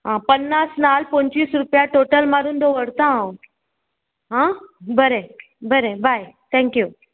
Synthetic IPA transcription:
ɦãpənːasnalpə̃ɲt͡ɕʋiːsɾupjaʈoʈəlmaɾuːnd̪oʋəɽt̪ãaõ | ɦãbəɾe | bəɾebʱajt̪ʰɛ̃ŋkju

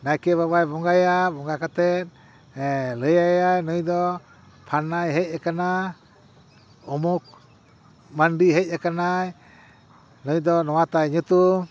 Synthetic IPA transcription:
najkɛbabajbɔŋɡajabɔŋɡakat̪ɛt̪̚ˀ | ləjajajnɔjd̪ɔ | pʰanːajɦɛc̚ɛkana | ɔmuk̚ | manɖiɦɛc̚akanaj | nɔjd̪ɔnɔwat̪ajɲut̪u

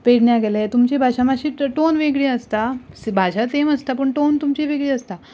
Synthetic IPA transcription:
peɽɳjaɡelaet̪umt͡ɕebʱaɕamaɕiːʈonʋeɡɭiəst̪asbʱaɕat̪eməst̪apəɳʈont̪umt͡ɕiʋeɡɭiːəst̪a

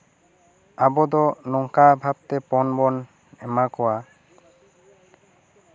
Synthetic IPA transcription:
abɔd̪ɔnɔŋkabʱab̚t̪epɔnbɔn | ɛmakɔwa

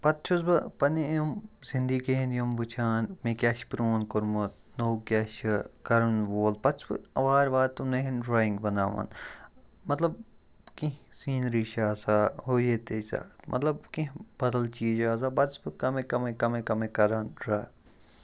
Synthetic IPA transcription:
pɐt̪̚t͡ʃʰusbɨpɐnijomzind̪ikeɦẽnjomʋut͡ʃʰaːnmekʲaːʃpɾoːnkʊɾmut̪̚ | noːkʲaːʃkɐɾɐnʋoːlpɐt̪t͡ʃʰbɨ̰ɐʋaːɾʋaːt̪unẽɦinɖɾaːĩŋɡbɐnaːʋa̰ːn | mɐt̪lɐb̚ | kĩɦsiːnɾiːʃaːsaːɦoːjeːt̪eːt͡ʃa̰ːt̪mʔɐ̰t̪lɐb̚kĩɦbɐd̪ɐlt͡ʃiːd͡ʒaːzaːbɐd̪sbɨkɐmẽkɐmekɐmẽkɐmẽkɐɾɐnɾaː

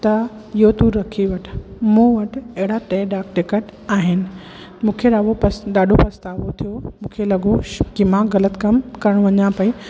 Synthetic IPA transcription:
t̪ɐjot̪ũɾɐkʰiʋɐʈʰmũːʋɐʈɐɦɪɽaʈeːɖaːkʈɪkeʈaːɦɪnɪ̆ | mũːkʰeɗaːʋopɐsɗaːɖʱopɐst̪aːʋot̪ʰijomũːkʰelɐɠokimãɣɐlət̪kɐmkɐɾəɽ̃ʋɐɲãpɐi

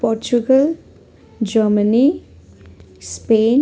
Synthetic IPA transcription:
pɔɾt͡ʃuɡəl | d͡ʒəməni | speːn

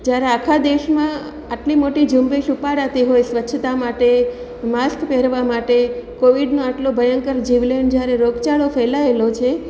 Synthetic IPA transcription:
d͡ʒjaɾeakʰad̪eʃmã | aʈlimoʈid͡ʒumbeʃupaɽat̪iɦojsʋətːʃʰət̪amaʈe | maskpeɾʋamaʈekoʋiɖnõaʈlobʱəjəŋkəɾd͡ʒiʋlend͡ʒjaɾeɾoɡt͡ʃaɭofɛlaelot͡ʃʰe

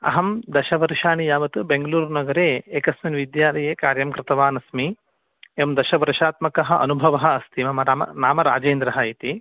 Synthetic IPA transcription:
ɐ̰ɦɐmd̪ɐʃɐʋɐɾʃaːɳijaːʋɐt̪ɨbeŋɡɐluːɾnɐɡɐɾeːeːkɐsminʋid̪jaːlɐjeːkaːɾjɐmkɾɪt̪ɐʋaːnɐsmi | eʋmd̪ɐʃɐʋɐɾʃaːt̪mɐkɐɦɐʔɐ̰nubʱɐʋɐɦɐ̆ɐst̪ʰimɐmɐɾaːmɐ̰naːmɐɾa̰ːd͡ʒeːnd̪ɾɐɦɐit̪i

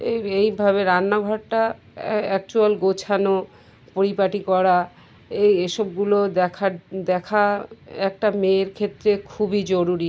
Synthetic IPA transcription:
eejbʱaβeɾanːaɡʱɔʈʈa | ɛk̚t͡ɕualɡot͡ɕʰano | poɾipaʈikɔɾa | ejeʃob̚ɡulod̪ɛkʰad̪ɛkʰaɛk̚ʈameɾkʰet̪ːɾekʰubid͡ʑoɾuɾi

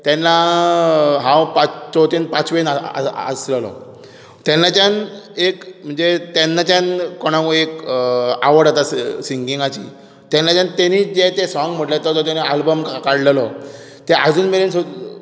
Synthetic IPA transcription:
t̪ɛnːa | ɦãwpat͡st͡sɔt̪inpat͡sʋenaə̰ə̰sləlɔ̰ | t̪ɛnːat͡ɕanekm̤əɳd͡zet̪ɛnːat͡ɕanːɔɽ̃ãkuekaʋəɽat̪assiŋɡiŋɡat͡ɕḭː | t̪ɛnːat͡ɕant̪eniːt͡sd͡ʑet̪esɔŋɡm̤əʈlat̪ɔt̪ɔt̪anaalbəmkkaɽləlɔ | t̪eʔa̰d͡zuːnmelenso

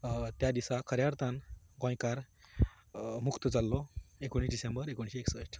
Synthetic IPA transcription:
t̪jad̪isakʰəɾjaɾt̪anɡɔ̃j̃kaɾ | mukt̪əd͡zalːɔekoɽ̃iɖisembəɾekoɳ̃iɕieksəʂʈ

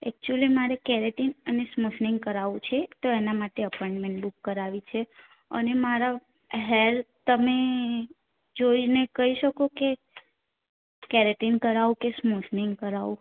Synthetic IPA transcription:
ɛk̚t͡ʃuəlimaɾekɛɾeʈinənesmoʃniŋɡ̚kəɾaʋũt͡ʃʰet̪oenamaʈeəpɔɪ̃ɳɖmẽɳʈlukːəɾaʋit͡ʃʰe | ə̰nemaɾa | ɦɛɾt̪əme | d͡ʒoinekəɦiʃəkoke | kɛɾeʈinkəɾaʋũkesmoʃniŋɡkəɾaʋũ

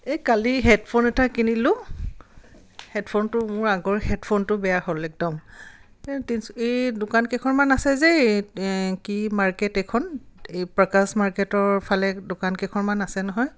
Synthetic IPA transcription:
ekaliɦɛtpʰonɛtakinilʊ̃ | hɛtpʰontʊmʊɹaɡɔɹhɛtpʰontʊbɛjaxɔlɛk̚dɔm | ɛtisejdʊkankɛkʰɔɹmanasɛzɛ | kimaɹkɛtɛkʰɔnejpɹakasmaɹkɛtɔɹpʰalɛdʊkankɛkʰɔnmanasɛnɔɦɔj

